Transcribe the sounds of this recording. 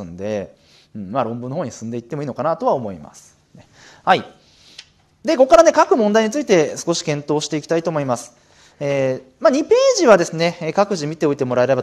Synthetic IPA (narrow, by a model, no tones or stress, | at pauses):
ɨnd̪e̞̰ | ɯ̟̃ɴmaɾõ̞mbɯ̟nːohoːɲ̟isɨ̃nd̪e̞it̪ːe̞moiːno̞kanat̪o̞βao̞mo̞ḭma̰sɨ̥ | ne | hai | d̪e̞ko̞kːaɾane̞kakɯ̟mõ̞nd̪aiɲ̟it͡sɨit̪e̞sɨ̥ko̞ɕi̥kẽ̞nt̪o̞ːɕi̥t̪e̞ikʲi̥t̪ait̪o̞ːmo̞imasɨ̥ | eː | maɲ̟ipe̞ːʑiβad̪e̞sɨne̞kakɯ̟ʑimʲit̪e̞o̞it̪e̞mo̞ɾaeɾe̞ba